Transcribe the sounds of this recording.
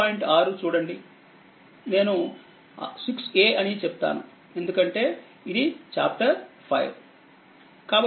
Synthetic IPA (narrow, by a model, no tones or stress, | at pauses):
aːiɳʈaːɾut͡ʃuːɽɐɳɖi | ne̞ːnu | sikse̞ːɐnit͡ʃɛpu̥t̪a̰ːnu | e̞nd̪ukɐɳʈe̞ː | id̪it͡ʃa̰ːp̚ʈɐɾpʰɐ̰jʋ | kaːbɐ